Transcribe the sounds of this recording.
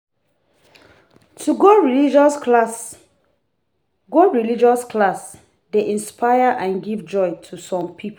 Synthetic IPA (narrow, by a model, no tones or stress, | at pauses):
tʰuɡoɹilid͡ʒɔs | ɡoɹilid͡ʒɔskʰlas | deʔĩnspʰaɪəʔãnɡivd͡ʒɔɪtʰusɔ̃mpʰipʰ